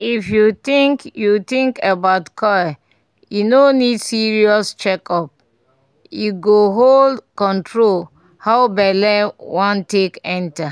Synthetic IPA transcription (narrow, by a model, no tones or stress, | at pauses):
ifjut̪ĩŋkjut̪ĩŋkebatkʰɔja | junonidsiɹiɔst͡ʃɛkʰɔp̚ | juɡoɦoldkɔ̃ntʰɹol | haʊbɛlɛwãntekɛ̃nta